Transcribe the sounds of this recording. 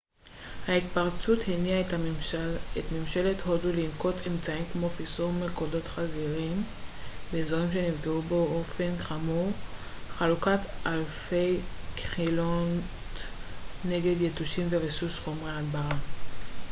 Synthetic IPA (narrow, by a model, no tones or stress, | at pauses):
hait̪paʁt͡suthinia | etmemʃelet̪ho̞dulinko̞temt͡saimkmo̞fisuʁmelkodo̞tχaziʁimbeːzo̞ʁimʃe̞nivɡeubo̞ofe̞nχamuʁ | χalukatalfejkχilon | e̞ɡe̞d̪jetuʃimvevesusχo̞mʁeadbaʁa